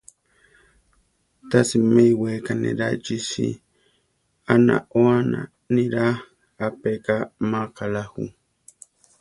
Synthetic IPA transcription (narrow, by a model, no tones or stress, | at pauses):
t̪asimejwekanḭɾat͡ʃisḭ | ana̰oana | niɾa | apekamaqalahṵ